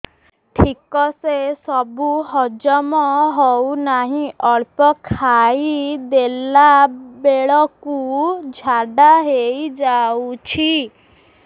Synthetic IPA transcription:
ʈʰikɔsesɔbuɦɔd͡ʒɔmɔɦɔwnaɦĩʔɔɭpɔkʰaid̪elabeɭɔkud͡ʒʱaɖaɦejd͡ʒawut͡ʃʰi

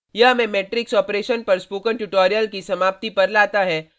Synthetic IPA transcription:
jɐɦɐmẽmeːʈɾɪksɔːpɾeːʃənpɐɾspoːkənʈuʈɔːɾijəlkisɐmaːp̚t̪ipɐɾlaːt̪aɦɛː

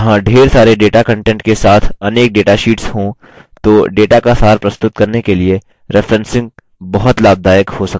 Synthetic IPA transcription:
ɦãɖʱeːɾsaːɾeɖeːʈakɐ̃ɳʈɛ̃ːɳʈkesaːt̪ʰɐneːk̚ɖeːʈaʃiːʈsɦõ | t̪oːɖeːʈakasaːɾpɾɐst̪ʊt̪̚kɐɾnekelie | ɾɪfʰɾɛ̃nsɪ̃ŋɡ̚ | bɐɦʊt̪laːb̚d̪aːjəkhosɐkː

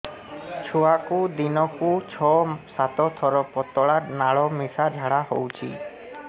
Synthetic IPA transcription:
t͡ʃʰuakud̪inɔkut͡ʃʰɔsat̪ɔt̪ʰɔɾɔpɔt̪ɔɭaɾnaɭɔmisad͡ʒʱaɽaho̰wt͡ʃʰḭ

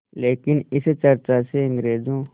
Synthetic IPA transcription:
leːkɪnɪst͡ʃɐɾt͡ʃaseɐ̃ŋɡɾeːd͡ʒõː

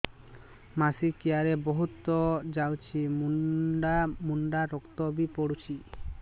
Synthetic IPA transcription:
masikijaɾebɔɦut̪ɔd͡ʒawt͡ʃʰimuɖamuɳɖaɾɔkt̪ɔbipɔɽut͡ʃʰi

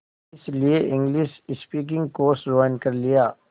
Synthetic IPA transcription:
ɪslieʔɪ̃ŋɡlɪʃɪspiːk̬ɪ̃ŋɡ̚koːsɾaːnkɐɾlijaː

